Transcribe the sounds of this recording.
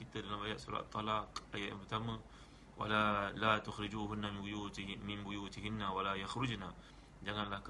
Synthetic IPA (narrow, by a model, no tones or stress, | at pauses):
kit̪ədalamaja̰ʔ̪suɾa̰t̪t̪ʰˤːɑlaqajaʔja̰nmpərt̪amə | wʔa̰lalat̪ʊxɾid͡ʒuːɦʊnːamɪujumɪnbujuːt̪ɪɦɪnːawalajaxɾʊd͡ʒna | d͡ʒaŋanlahk